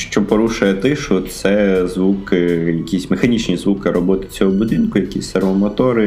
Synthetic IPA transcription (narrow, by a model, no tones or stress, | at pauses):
ʃt͡ʃɔpɔɾuʃʊjɛt̪ɪʃʊt̪sɛzʋukɪjɐkʲisʲmexɐnʲit͡ʃnʲizʋukɪɾɔbɔt̪ɪ̥t͡sʲɔɦɔbud̪ɪnkʊjɐkʲisʲsɐrmɔmɔt̪ɔɾɪ